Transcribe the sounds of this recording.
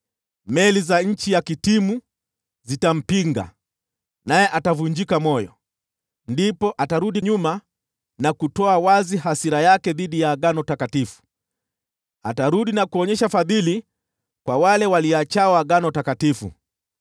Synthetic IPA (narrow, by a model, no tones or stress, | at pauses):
mɛlizaɲ̩t͡ʃijakitimu | zitam̩piŋɡa̰ | najɛʔatavuɲd͡ʒikamɔjɔ̰ | ndipɔʔataɾuɗiɲuma | nakutɔawaziɦasiɾajakɛðiɗijaːɠanɔtakatifu̥ | ataɾuɗinakuɔɲɛʃafaðili | kwawalɛwaliat͡ʃawaɠanɔtakatifṵ